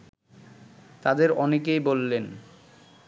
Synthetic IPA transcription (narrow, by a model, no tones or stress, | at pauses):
t̪ad̪eɾɔnekejbolːen